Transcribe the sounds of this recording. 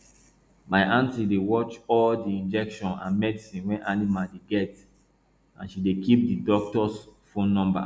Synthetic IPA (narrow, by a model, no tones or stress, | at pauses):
maɪʔãntidewɔt͡ʃɔldiĩnd͡ʒɛkʃɔ̃nã̰nmɛdisĩnwɛ̃nʔanimaldeɡɛt | ã̰nʃidekip̚didɔk̚tɔsfõnːɔ̃mba̰